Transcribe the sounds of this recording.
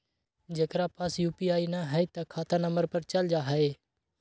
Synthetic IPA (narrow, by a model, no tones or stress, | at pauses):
d͡ʒeːkɾaːpɐsjuːpiːaːiːnaɦəit̪akʰaːt̪anəməɾpəɾt͡ʃəld͡ʒaːɦəeː